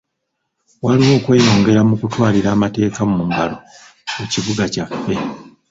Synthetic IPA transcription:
waliwo̞ːkwe̞ːjo̞ːŋɡe̞ɾamukutwaːliɾaːmate̞ːkammuŋɡalo̞ | eciβuɡacafːe̞

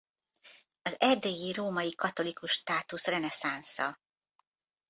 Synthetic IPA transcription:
ɒzɛd̪eːjiroːmɒjikɒt̪o̞likuʃːt̪aːt̪usrɛnɛsansɒ̰

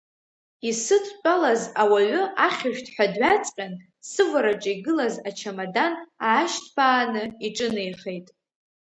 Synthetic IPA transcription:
isɨtʰt͡pʷʼalazawaʕʷʊaχʲaʒᶣtʰħʷᶣadɥat͡sʼqʲʼan | sɨvʷaɾaʈ͡ʂʼaiɡɨlazat͡ʃʰamadanaːʃtʰbʰaːnɨiʈ͡ʂʼɨnejχejtʼ

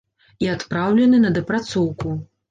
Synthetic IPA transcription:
iat̪pɾawlʲɛnɨnɐd̪ɐpɾat̪sɔwku

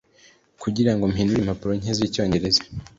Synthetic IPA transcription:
kʰuɟiɾaŋɡo̞mhiːnduɾimhapuɾo̞ɲ̥hezico̞ːɲɟe̞ɾe̞zḁ

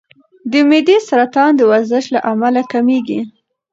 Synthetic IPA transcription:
d̪əmed̪esaɾat̪ɑnd̪əwaɾzəʃlaʔamalakameɡi

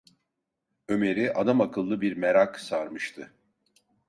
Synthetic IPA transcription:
ø̞me̞ɾiʔad̪amakʰɯlˠːɯbiɾmeɾaksaɾmɯʃt̪ʰɯ

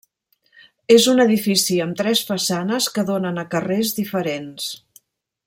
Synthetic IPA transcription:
ezunəðifisiəmt̪ɾɛsfəsanəskəðonənəkərezðifəɾens

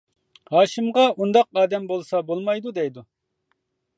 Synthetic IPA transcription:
hɑːʃɨmʁɑʔund̪ɑq̚ɑːd̪ɛmbolˠsɑbolˠmɑjd̪ud̪ɛjd̪u

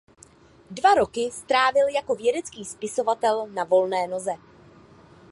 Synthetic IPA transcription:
dvaɾo̞kɪst̪ɾaːvɪljako̞vjɛdɛt͡skiːspɪso̞vat̪ɛlnavo̞lnɛːno̞zɛ

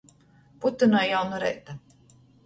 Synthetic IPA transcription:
put̪ːunajjawnuɾɛ̰jt̪a

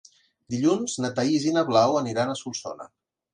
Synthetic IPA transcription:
d̪iʎunznət̪aizinaβlawəniɾanəsulˠso̰nə̰

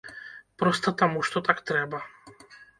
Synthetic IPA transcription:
pɾɔst̪at̪amuʃt̪ɔt̪akt̪ɾɛba

